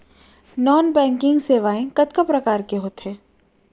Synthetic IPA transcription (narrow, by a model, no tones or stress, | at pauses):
nɔːnbɛ̃ːŋkɪ̃ŋɡseːʋaːẽkɐt̪kəpɾɐkaːɾkeɦoːt̪ɦeː